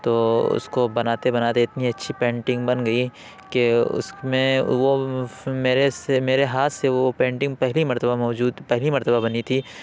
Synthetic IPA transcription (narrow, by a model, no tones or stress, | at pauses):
t̪oːʊ̰skobɐnaːt̪ebɐnaːt̪eɪt̪niɐtːʃʰipẽːɳʈɪ̃ŋɡbɐnɡɐi | keʊ̰smẽʋomeːɾesemeːɾeɦaːt̪ʰseopẽːɳʈɪ̃ŋɡpɛɦlimɐɾt̪əbamɔːd͡ʒuːd̪pɛɦlimɐɾt̪əbabɐnit̪ʰiː